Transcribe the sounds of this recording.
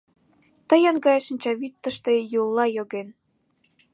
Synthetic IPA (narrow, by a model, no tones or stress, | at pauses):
t̪ə̆jɤnɡɑjeʃənʲt͡ɕɑβit̪ːə̆ʃt̪ejulˠːɑjoɣen